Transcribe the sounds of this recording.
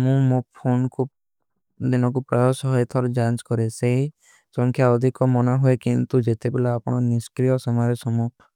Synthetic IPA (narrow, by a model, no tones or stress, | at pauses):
mũmopʰonkʰu | d̪inɔk̬upɾɔjɔsɔɦɔjt̪ʰɔɾɔd͡ʒant͡ʃkɔɾeseɦi | sɔŋkʰjaɔd̪ʱikɔmɔnaɦuekint̪ud͡ʒet̪ebelaapɔɽ̃ɔniskɾijɔsɔmaɾesɔmu